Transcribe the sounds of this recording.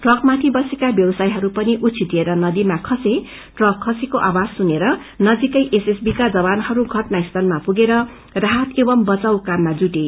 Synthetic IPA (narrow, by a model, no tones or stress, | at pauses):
ʈrʌkmat̪ʰibʌsekabjʌbʌsajɦʌɾupʌniʔut̪t͡sʰit̪ieɾʌnʌd̪imakʰʌse | ʈrʌkʰːʌsekoʔawad͡zsuneɾʌ | nʌd͡zikʌjʔesesbikad͡zʌbanhʌɾuɡʱʌʈnaist̪ʰʌnmapuɡeɾʌ | raɦat̪ʰebʌmbʌt͡sawkamːad͡zuʈe